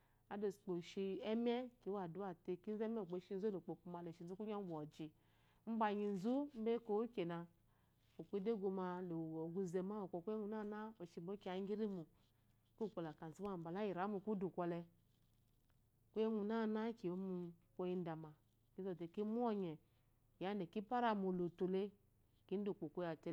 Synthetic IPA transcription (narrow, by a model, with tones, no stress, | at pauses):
a˨˦do˨sk͡po˨ʃi˧ɛ˦me˦ki˨˦a˨du˦a˨te˧ki˦n̩˦ze˦me˦˨k͡po˨ʃi˧n̩˦zu˦lo˨k͡po˨ku˧ma˨lo˨ʃi˨n̩˨zu˦ku˦ɲ˦a˦bʷo˨d͡ʒi˨ | m̩˦ba˧ɲi˧n̩˨zu˦m̩˦be˦ko˦kʲe˨na˧ | o˨kʷi˦de˦ɡo˧ma˧lo˨o˨ɡu˧ze˧ma˦o˨ko˨ku˦e˦ŋʷu˧˨na˦˨na˦o˨ʃi˧mo˦ke˨a˨ŋ˦ɡi˦ɾi˦mu˨ | ku˦˨k͡po˨la˨ka˨n̩˨zu˦m˦a˦˨m̩˨ba˨la˦ji˨ɾa˨˦mu˨ku˦du˨kʷɔ˨lɛ˧ | kʷo˦je˦ŋʷu˨na˦˨na˦ki˨o˦mu˧kʷo˦ji˧˦n̩˦da˨ma˨ | ki˦zo˨te˨ki˦mu˦ɔ˦ɲɛ˨ | ja˨˦ne˨ki˦pa˦ɾa˦˨mu˨lo˨to˨le˦ | ki˨˦n̩˦du˨k͡po˨kʷo˦ja˨tɛ˨